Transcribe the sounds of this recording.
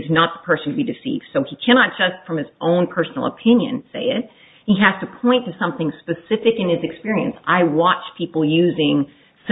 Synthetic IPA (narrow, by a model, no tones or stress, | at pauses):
ɨznət̪̚ðə̥pʰɜ˞sn̩tʰɨbidɨsḭvd̥soʊikʰæñɑt̚d̥ʒ̥ʌstfɹʌ̃mɨzõʊ̃npʰɜ˞sn̩l̩ˠə̰pʰɪ̃njɨ̰̃nseɪɪt̚ | hiɦæz̥tɨpʰɔ̃ɪ̃ntɨsʌ̃mθɪ̃ŋspɨsɪfɨkɨ̃nɨzɨkspɪɹiɨ̰̃nsʔaɪwɑt͡ʃpʰipl̩ˠjʉzɪ̃ŋ | s